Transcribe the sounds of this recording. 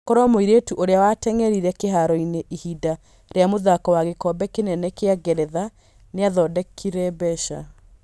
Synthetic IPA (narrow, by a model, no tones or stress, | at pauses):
kɔɾɔmoiɾetuʔoɾeawatɛŋɛɾiɾɛkeɦaɾɔineʔihida | ɾeamoðakɔwaɣekɔbɛkenɛnɛkeaɡɛɾɛða | neaðɔdɛkʰiɾɛbɛʃa